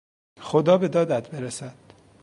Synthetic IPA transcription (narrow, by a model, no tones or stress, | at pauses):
xod̪ɒːbe̞d̪ɒːd̪æd̪beɾesæd̪̥